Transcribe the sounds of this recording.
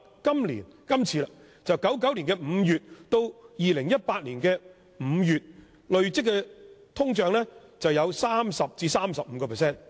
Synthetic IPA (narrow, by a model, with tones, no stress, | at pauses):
kɐ˥mlḭː˨˩nkɐ˥mt͡sʰiː˧la˧ | t͡sɐ˨wkɐ˨˥wkɐ˨˥wli˨˩nkɛː˧m̩˨˧jyː˨t̚t̪o˧wjiː˨lɪ˨˩ŋjɐ˥t̚paː˧t̚liː˨˩nkɛː˧ | m̩ː˨˧jyː˨t̚ | lɵ˨ɥt͡sɪ˥kːɛ˧t̪ʰʊ˥ŋt͡ʃœː˨˧ŋlɛː˥t͡sɐ˨wjɐ˨˧wsaː˥msɐ˨p̚t͡siː˧saː˥msɐ˨p̚m̩˨˧˥kɔː˧pʰɛ˨˩sɛː˥˩n